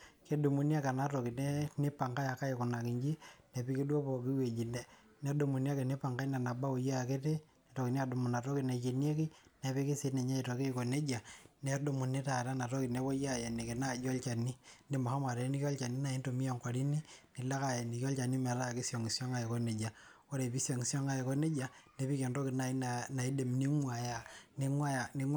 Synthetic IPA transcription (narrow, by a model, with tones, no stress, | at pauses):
ke˦du˨mu˨ni˦a˦ka˨na˦tɔ˨ki˨ne˦ni˦pa˨ŋka˦ja˨ka˦e˨ko˨na˨ki˨ɲd͡ʒi˦nɛ˨pi˦ke˦dwo˦pɔ˨ki˦we˨d͡ʒi˨nɛ˦ | nɛ˦do˨mu˨ni˦a˦ke˨ne˦pa˨ŋɡa˦i˦na˨na˨ba˦o˨ja˦˨ke˦te˦ | e˨tɔ˨ki˨ni˦a˨du˨mu˨na˨tɔ˦ki˨ne˨t͡ʃe˨nje˦ki˦ne˨pi˦ki˦se˨˦ne˨ɲa˦i˨to˨ki˦ko˨ne˦d͡ʒa˨ne˦do˦˨mu˨ne˦ta˨ta˦na˨to˦ki˨ne˨˦βo˦ja˦je˨ni˨ke˨na˦˨d͡ʒo˦lt͡ʃa˨ni˦nde˦mo˨ha˦ma˨ɾe˨˦ni˦kɔ˦lt͡ʃa˨ni˦na˨i˦nto˨mi˦jo˨ŋka˨ɾi˦ni˦ni˨la˦ka˨je˨ni˨ki˦ɔ˦lt͡ʃa˨ni˦me˨ɾa˦˨ki˦sjo˨ŋi˨sjo˦ŋa˦e˨ko˦ne˨d͡ʒa˨ | o˦ɾe˨pi˦sjo˨ŋi˨sjo˦ŋa˦je˨ko˦ne˦d͡ʒa˨ne˨˦pi˦ke˨ndo˦ki˨na˨˦na˨i˦de˨mni˦ŋwa˨ja˦˨ne˦wa˦a˨ne˨˦